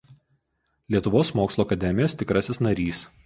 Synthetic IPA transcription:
lʲiɛt̪ʊʋoːsmoːkslˠoːɐkɐd̪ʲɛmʲɪjoːst̪ʲɪkɾɐsʲɪsnɐɾʲiːs

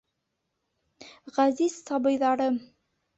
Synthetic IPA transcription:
ʁæzizsɑbɤ̆jðɑɾɤ

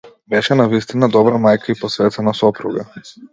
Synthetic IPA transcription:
bɛʃɛnavist̪inad̪ɔbɾamajkʰaipɔsvɛt̪ɛnasɔpɾuɡa

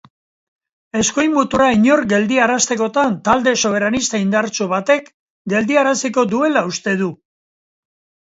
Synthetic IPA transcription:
e̞sko̞jmut̪uɾaiɲo̞ɾɡe̞ld̪iaɾast̪e̞ko̞t̪ant̪ald̪e̞so̞βe̞ɾanist̪aind̪aɾt͡ʃuβat̪e̞k | ɡe̞ld̪iaɾasiko̞d̪ue̞laust̪e̞ðu

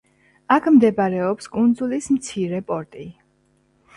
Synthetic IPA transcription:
akʰmd̪ɛbaɾɛɔpskʼund̪zulismt̪sʰiɾɛpʼɔɾt̪ʼi

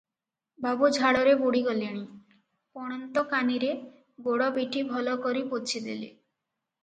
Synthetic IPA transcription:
babud͡ʒʱaɽɔɾebuɽiɡɔliɽ̃i | pɔɽ̃ɔnt̪ɔkaniɾe | ɡoɽɔbiʈibʱɔlɔkɔɾipot͡ʃʰid̪ḛlḭ

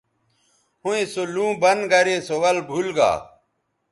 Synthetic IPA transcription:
hũẽsolũːbɐnɡɐɾesowɐlbʱulɡa̰ː

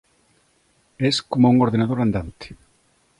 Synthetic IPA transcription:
ɛskomouŋoɾðenaðoɾand̪ant̪e̥

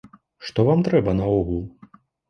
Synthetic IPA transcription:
ʂt̪ɔvamt̪ɾɛbɐnɐɔɣul

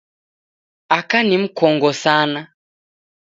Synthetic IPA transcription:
akanim̩kɔŋɡɔsana

